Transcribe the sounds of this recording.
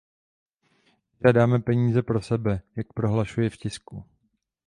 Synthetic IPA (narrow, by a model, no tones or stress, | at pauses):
ɪʒaːdaːmɛpɛɲiːzɛpɾo̞sɛbɛjak̚pɾo̞ɦlaʃujɛfcɪsku